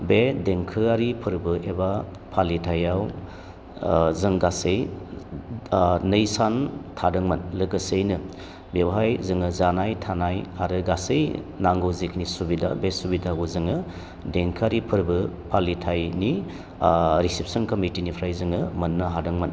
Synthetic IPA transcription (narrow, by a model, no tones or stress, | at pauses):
bedeŋkʰɯaɾipʰɯɾbɯʔeba | pʰalitʰajaw | zɯŋɡasej | nɯjsantʰadɯŋmɐnlɯɡɯsejnɯ | bewɦajzɯŋɯzanajtʰanajaɾɯɡasejnaŋɡowzik̚nisubida̰besubidaɡuzɯŋɯ | deŋkʰaɾipʰɯɾbɯpʰalitʰajni | ɾisip̚sɔnkɐmitinipʰɾajzɯŋɯmɐnːɯɦadɯŋmɐn